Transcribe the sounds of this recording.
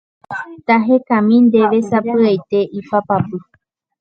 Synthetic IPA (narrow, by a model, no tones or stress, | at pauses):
t̪aɦe̞kãmĩnd̪e̞ʋe̞sapɨajt̪e̞ʔipapapɨ